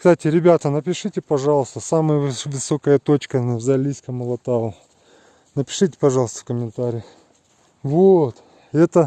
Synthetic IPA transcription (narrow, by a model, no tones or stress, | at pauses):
kst̪atʲɪɾʲɪbʲat̪ənəpʲɪʂɨtʲɪpɐʐɑlˠəst̪əsaməjəvɨsokəjət̪o̞t͡ɕkənvzʲalʲisʲkəməlˠɐt̪aʊ | nəpʲɪ̥ʂɨtʲɪ̥pɐʐɑlˠəst̪ə̥fkəmʲɪnt̪aɾʲɪjɪ | vot̪ | ɛt̪ə